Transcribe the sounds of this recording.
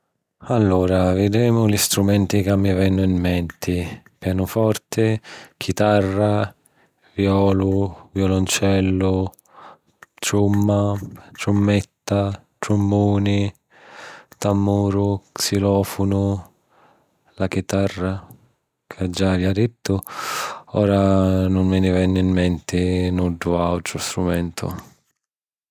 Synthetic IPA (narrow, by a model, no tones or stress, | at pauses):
alːuːɾavɪd̪ɾɛːmʊlist̪ɾumɛnt̪ikamːivɛnːʊimːɛnt̪ʰɪpjaːnʊfɔrt̪ɪkʰit̪arːa | vjɔːlʊvjɔlʊnt͡ʃɛlːʊ | t̪ɾumːat̪ɾumːɛt̪ːat̪ɾumːuːni | t̪amːuːɾʊksilɔːfʊnʊ | lak̟it̪arːa | kʰad͡ʒːavjad̪ɪt̪ːʊ | ɔːɾanʊnmɪnɪvɛnːɪmːɛnt̪ɪnuɖːʊawt̪ɾʊst̪ɾumɛnt̪ʰʊ̰